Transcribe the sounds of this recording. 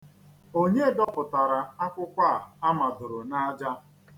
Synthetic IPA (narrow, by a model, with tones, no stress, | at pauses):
o˦ɲe˦dɔ˦pʊ˨ta˨ɾa˨a˦kʷʊ˦kʷa˦˨a˦ma˨dʊ˨ɾʊ˨na˦d͡ʒa˦